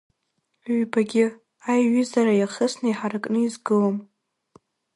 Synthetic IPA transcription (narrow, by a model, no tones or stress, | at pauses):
ɥbaɡʲɪ | ajɥizaɾajaχəsnaiħarɨkʼnɨizɡɨlam